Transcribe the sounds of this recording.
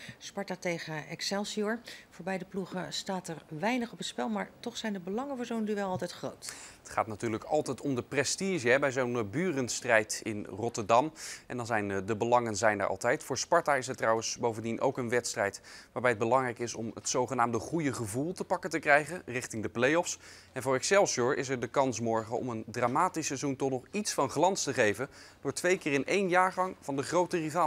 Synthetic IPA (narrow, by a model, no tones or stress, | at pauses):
spɑɹtaːtejχəɛksɛlˠsiɔɹvʊːɹbɛjdəpluχəstaːtɛrʋɛjnəχɔpətspɛlˠmaːɹtɔχsɛjndəbəlɑŋənəɹzonənyʋɛlˠɑlˠtɛjtχrowtətχaːtnatyːɹləkɑ̰lˠtɛjtɔmdəprɛstiʒəɦɛbɛjzonbyːrənstrɛjtɪ̰nrɔtəɹdɑmʔɛ̰ndɑnzɛjndəbəlɑŋənzɛjnə̰ʔɑ̰lˠtɛjtfʊːɹspɑɹtaːɪs̬ɛtːrɑwənsbowvəndinʔo̰wkənʋɛtstrɛjtʋaːɹbɛjəd̚bəlɑŋrɛjkɪsɔ̰mətsowχənaːmdəχujəχəvulˠtəpɑkəntəkrɛjχənrɪχtɪŋdəplejɔfs | ɛnvʊːɹɛksɛlˠsɔɹʔɪs̬ɛɹdəkɑnsmɔɹχəɔ̰məndraːmaːtisɛzuntɔχnɔχitsfɑnχlɑnstəχejvənd̥ʊːɹtʋejkɪːrɪnʔejnjaːɹχɑŋv̥ɑndəχrowtərivaː